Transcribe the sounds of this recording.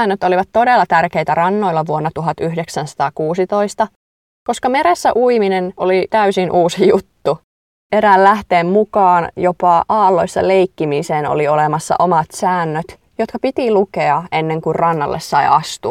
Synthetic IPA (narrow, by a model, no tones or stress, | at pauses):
nːøt̪oliʋɑt̪t̪ːo̞delːɑt̪ærke̞ijt̪ærɑnːo̞ilːɑʋuonːɑt̪uɦɑt̪yɦdeksænsɑ̥t̪ɑːkuːsit̪o̞ist̪ɑ | ko̞skɑme̞ɾesːæ̰ʔuiminenolit̪æysinʔuːsijut̪ːu | eɾæːllæht̪eːmmukɑːnjopɑʔɑːlːo̞isːɑ̰leikːimiseːno̰lio̞lemɑsːɑ̰ʔo̞mɑt̪sæːnːøt̪ | jot̪kɑpit̪ilukeɑe̞nːeŋkurrɑnːɑ̰lːʔessɑjʔɑst̪uɑ